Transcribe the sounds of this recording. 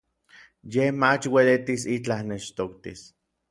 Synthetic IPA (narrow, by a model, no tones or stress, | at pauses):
jehmat͡ʃwelet̪isit͡ɬahneʃt̪okt̪ḭs